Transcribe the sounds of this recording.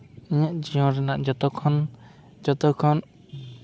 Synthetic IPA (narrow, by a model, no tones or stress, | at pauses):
iɲaʔd͡ʒiɦɔ̃ɾɛnaʔd͡ʒɔt̪ɔkʰɔn | d͡ʒɔt̪ɔkʰɔn